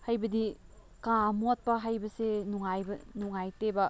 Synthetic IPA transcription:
hajbɐdi | kamot̚pɐɦajbɐsenuŋajbɐnuŋajtebɐ

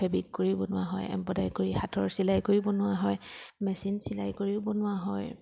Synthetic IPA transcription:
ɛbikkoɹibɔnʊwa̰ɦɔ̰jɛ̰mpɔdajkoɹixatʰɔɹsilajkoɹibɔnʊwaɦɔjmɛsinsila̰jkoɹiʊbɔnʊaɦɔj

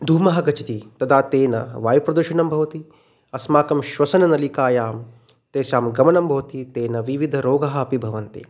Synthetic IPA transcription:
d̪ʱuːmɐɦɐɡɐt͡ʃit̪it̪ɐd̪ʰʱaːt̪eːnɐ̰ʋaːjupɾɐd̪ɐʃɐnɐmbʱɐʋɐt̪i | ɐsmaːkɐmʃʋɐsɐnɐnɐlikaːjaːm | t̪eːʃaːmɡɐmɐnɐmbʱɐʋɐt̪it̪eːnɐʋiʋid̪ʱɐɾoːɡɐɦɐɐpibʱɐʋɐnt̪ḭ

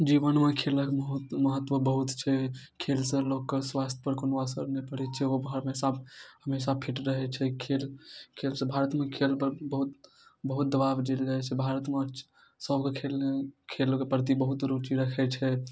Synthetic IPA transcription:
d͡ʒiʋənmẽkʰeləkməɦut̪məɦət̪ːʋəbəɦut̪t͡ʃʰɛkʰelsə̃lokːəsʋast̪ʰjəpəɾkonasə̰ɾnɛpəɽɛt͡ʃʰɛobʱəɾmesabhəmes̬apʰiʈɾəɦɛt͡ʃʰɛkʰelkʰelsə̃bʱaɾət̪mẽkʰelpəɾbəɦut̪ | bəɦut̪̚d̪əbabd͡ʒeld͡ʒat͡ʃʰɛbʱaɾət̪me | səbkekʰelekʰelkepɾət̪̬ibəɦut̪ɾut͡ʃiɾəkʰɛt͡ʃʰɛ

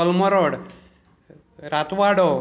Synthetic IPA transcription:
ɔlmɔɾoɽ | ɾat̪ʋaɽo

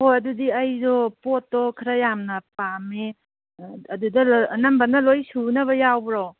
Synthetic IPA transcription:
hojɐdudiɐjzɔpotːɔkʰɐɾɐjamnɐpameː | dudɐnɐmbɐnɐlojsunɐβɐjawbɾow

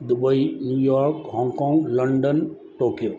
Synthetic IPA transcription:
d̪ʊbəinjuːjɔːɾkhɔ̃ːŋkɔ̃ːŋɡlɐɳɖən | ʈoːkijo

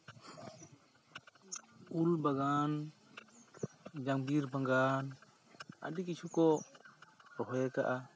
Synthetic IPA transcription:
ulbaɡan | d͡ʒaŋbiɾbaŋɡan | a̰dikit͡ʃʰukɔ | ɾɔɦɛka̰ʔa

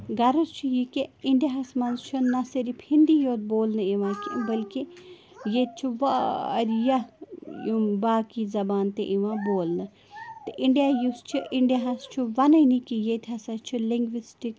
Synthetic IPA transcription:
ɡɐɾɐst͡ʃʰujikeɪɳɖijaɦɐsmɐnzt͡ʃʰunɐsiɾifhind̪ijoːt̪̚boːlnɨiʋãːkḭbɐlki | jet̪̚t͡ʃʰuʋɐɐ̰ɾjɐjumbaːkizɐbaːnt̪eʔiʋãːboːlnɨ | t̪ɨʔɪɳɖijaːjust͡ʃʰuʔɪɳɖijaɦɐst͡ʃʰuʋɐnɐnikijet̪ʰɐsɐt͡ʃʰuliŋɡʋisʈik

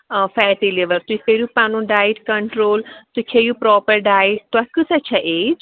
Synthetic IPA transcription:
fɛːʈileʋəɾt̪ukeɾjupãːnũːɖaːjʈkɐ̃ɳʈɾoːlt̪ukʰejuːpɾɔːpəɾɖaːɪʈ̚t̪oɐkusɐt͡ʃʰaʔeːd͡ʒ

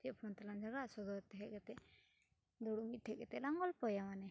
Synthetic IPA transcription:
t̪iaʔpʰɔnt̪aland͡ʒaɡaʔsɔd̪ɔt̪ɛɦɛʔɡɛt̪ɛʔ | d̪ɔɽumit̪̚ˀʈʰɛkɡɛt̪ɛlaŋɡɔlpɔjamanɛ

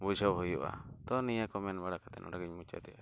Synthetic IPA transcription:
bud͡ʒʱɔʔɦujuʔa̰t̪ɔnijakɔmɛnbaɽakat̪ɛ̰nʔɔ̰ɽaɡiɲmut͡ʃa̰t̪ɛʔa

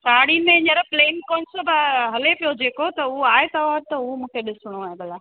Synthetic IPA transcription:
saːɽimẽɪ̃ɲəɾpleːnkoːnsobɐɦɐlepijod͡ʑeːkot̪ɐʊoaːɦet̪ɐʋaːɾt̪ɐʊomũːkʰeɗɪsɪɽ̃uaːɦebɐlaː

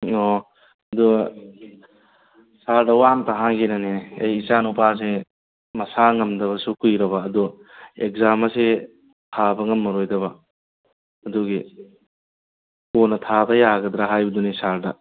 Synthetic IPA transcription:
o | ɐdu | saɾdɐwamtaɦaŋɡenɐneneɐ̰jːsanupas̬e | mɐsaŋɐmdɐβɐsukujɾɐβɐːdu | ek̚zamɐse | tʰabɐŋɐmːɐɾojdɐβɐ | ɐduɡi | konːɐtʰabɐjaɡɐd̪ɾaɦajbɐdunisaɾdɐ

